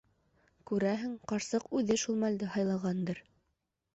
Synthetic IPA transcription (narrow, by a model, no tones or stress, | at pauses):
kʉɾæɦɘŋqɑɾsɤqʉðɘʃulˠmæld̪ɘɦɑjlˠɑʁɑnd̪ɤɾ